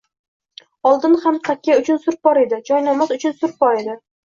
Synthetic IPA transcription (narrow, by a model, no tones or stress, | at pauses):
ɒlˠd̪ɪnhamt̪ʰakʲʰːaʊt͡ʃʰʊnsʊɾp̚bɒɾe̞d̪ɪd͡ʒɒjnamasʊt͡ʃʰʊnsʊɾ̚bɒɾed̪ɪ